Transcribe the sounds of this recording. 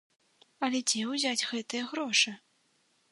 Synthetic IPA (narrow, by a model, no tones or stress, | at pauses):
ɐlʲɛd͡zʲɛwzʲad͡zʲɣɛt̪ɨjɛɣɾɔʂɨ